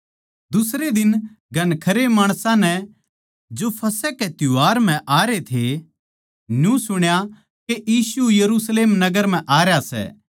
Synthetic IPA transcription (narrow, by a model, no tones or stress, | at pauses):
d̪ʊsɾed̪ɪn | ɡʱɐnkʰɐɾemaːɽ̃sãnɛ | d͡ʒopʰɐsɛket̪ʊuɦaːɾm̤ɛ̃ʔaːɾet̪ʰe | njũsʊɽ̃ja | kejiːsujɐɾusleːmnɐɡəɾm̤ɛ̃ʔaːɾjasɛ̰ː